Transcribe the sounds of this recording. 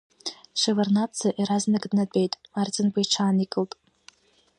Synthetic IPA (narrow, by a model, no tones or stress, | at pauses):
ʂɨvernat͡sʰːaʔiɾaznɨɡʼdnadʼe̞jtʼmart͡sʼɪnbʷajʈ͡ʂʰaːnikʼɨltʼ